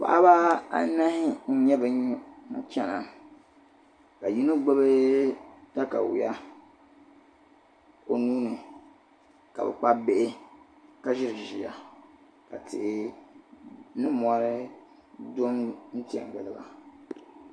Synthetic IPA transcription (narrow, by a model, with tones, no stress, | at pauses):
pa̰˨ʔa˦ba˦a̰˦na˦hɪ˦n̩˦ɲɛ˦bɛ˨˦t͡ʃɛ˦na˨ | ka˨ji˦no˦ɡ͡bɛ˦bɨ˦ | ta˦ka̰˨wɪ̰˨ja˦ | o˨nuː˦nɨ˨ | ka̰˨bɛ̰˨k͡pa˦be˦ʔɪ˦ | ka˦ʒɪ˦ɾɪ˨ʒi˨ja˨ | ka̰˨tɪ̰˨ʔɪ˦ | nɨ˦mɔ˦ɾɨ˦ | do˦mn̩˦ti˦˨ɛ̰˨ŋ˨ɡ͡bɨ˨lɨ˦˨ba̰˨